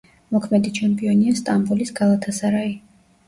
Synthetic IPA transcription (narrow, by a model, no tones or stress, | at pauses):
mɔkʰmɛd̪it͡ʃʰɛmpʼiɔniast̪ʼambulisɡalˠat̪ʰasaɾai